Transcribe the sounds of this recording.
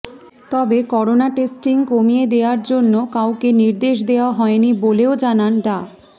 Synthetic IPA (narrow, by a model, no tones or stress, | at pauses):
t̪ɔbekɔɾonaʈesʈiŋkomijed̪eoaɾd͡ʑonːokawkeniɾd̪eʃd̪eoaɦɔeniboleod͡ʑananɖa